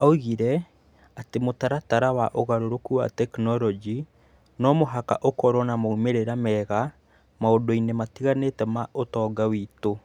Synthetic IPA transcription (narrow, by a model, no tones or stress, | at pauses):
auɣiɾɛ | atemotaɾataɾawaʔoɣaɾoɾokuwa̰tɛknɔɾɔd͡ʒi | nɔmoɦaka̰ʔokɔɾwɔnamaumeɾeɾamɛɣa | maodoinematiɣanetɛmaʔotɔːɡawiːto